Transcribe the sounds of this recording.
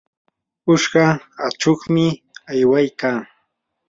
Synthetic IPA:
ʊʃɢɑat͡ʃoχmɪ | ajwajkaː

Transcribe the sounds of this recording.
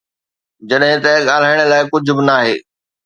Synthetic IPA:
d͡ʑɐɗɦɪ̃t̪ɐɠaːl̤aːɪɽ̃̆laːɪkʊd͡ʑʱʊ̆bɪnaːɦḛː

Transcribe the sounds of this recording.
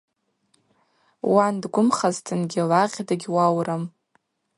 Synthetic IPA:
wandɡʷʊmχaztʰɨnɡʲɪlaʁʲdaɡʲwawram

